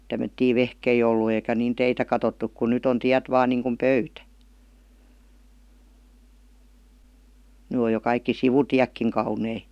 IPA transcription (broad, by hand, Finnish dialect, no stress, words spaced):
tæmːøtːiː ʋehkei olːu eikæ niːn teitæ kɑtotːuk ku nyt on tiæt ʋɑːn niːŋkum pøytæ ny oj jo kɑikːi siʋutiækːiŋ kɑunei